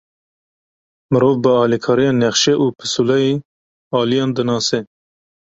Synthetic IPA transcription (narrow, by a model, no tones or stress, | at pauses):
mɨɾoːvbəɑːlikʰɑːɾijɑːnɛχʃɛʔupʰɨsulɛi | ɑːlijɑːnd̪ɨnɑːsɛ